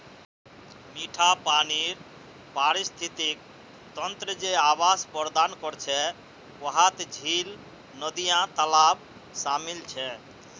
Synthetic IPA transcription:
miʈʰapaniɾ | paɾist̪ʰit̪ik̚ | t̪ənt̪ɾəd͡ʒeabaspəɾd̪ankɔɾt͡ʃʰɛ | wəɦat̪d͡ʒʱil | nəd̪ijãt̪əlab | samilt͡ʃʰɛ

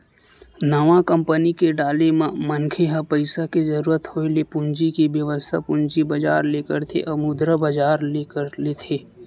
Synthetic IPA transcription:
nɐʋãkəmpənikeɖaːlemãmənkʰeɦapəɪsakezɐɾuːɾət̪hoːelepʊɲd͡ʒikebjɐʋəst̪ʰapʊ̃ɲd͡ʒibɐd͡ʒaːɾleːkəɾt̪ʰḛʔɐmʊd̪ɾəbɐd͡ʒaːɾlekəɾleːt̪ʰeː

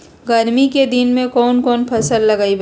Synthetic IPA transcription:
ɡɐɾmiked̪ɪnmẽkɔːnkɔːnpʰɐsəlːɐɡaːib

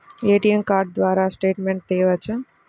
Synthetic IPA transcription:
eːʈijemkaːɾɖd̪ʋaːɾaːsʈeːʈmeɳʈ̚t̪ɛjʋət͡ʃʰɛ

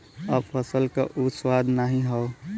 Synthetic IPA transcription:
əbpʰəsəlka̰ʔuswad̪ʱnaɦĩɦɔo

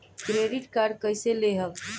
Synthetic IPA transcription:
kɾeɖiʈkaɾɖkəjseleɦəb

